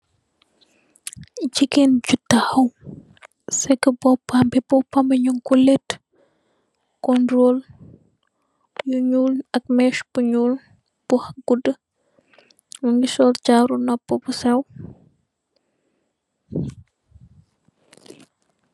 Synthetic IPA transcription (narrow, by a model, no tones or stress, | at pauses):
ɟikenɟutːahɐw | sɛkəbɔpambɛbɔpambəɲuŋkulɛt | kɔndɾol | juɲuːlɐk̚mɛʃb̥uɲul | b̥uhaɡ̥udə | muŋɡisɔːlt͡ʃaːɾunɔpːəbusɛw